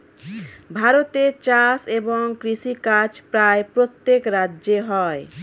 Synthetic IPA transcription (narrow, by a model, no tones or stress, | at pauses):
bʱaɾot̪et͡ʃaseboŋkɾisikat͡ʃpɾaepɾot̪ːekɾadeɦɔe